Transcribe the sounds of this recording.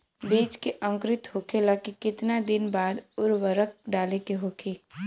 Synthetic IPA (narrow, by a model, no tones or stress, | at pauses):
biːd͡ʒkeʔə̃ŋkɾɪt̪ɦokʰelaːkikɪt̪nad̪ɪnbaːd̪ʊɾʋəɾək̚ɖaːlekeɦoːkʰeː